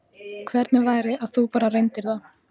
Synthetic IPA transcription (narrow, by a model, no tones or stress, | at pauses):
kʰvɛɾt̪nɪvaːjɾɪaðθupaːɾarejnt̪ɪɾða